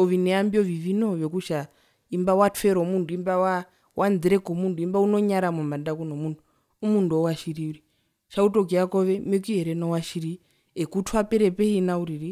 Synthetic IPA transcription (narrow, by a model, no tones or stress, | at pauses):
ɔʋinɛambiɔʋiʋinoʋekuʃa | imbawatfɛɾomunduimbawa | wʔand͡ziɾɛkomundʱuimbaunoɲaɾamumandakunomundʱu | umunduɔwaʃiɾiuɾi | ʃautok̬iakɔʋɛmekiɛɾɛnɔwaʃiɾi | ekutʰuapɛɾɛpeinauɾiɾi